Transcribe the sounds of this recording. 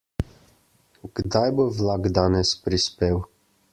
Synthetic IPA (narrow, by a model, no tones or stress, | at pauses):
ɡ̥d̪ajbovlaɡd̪aːnɛspɾispeːw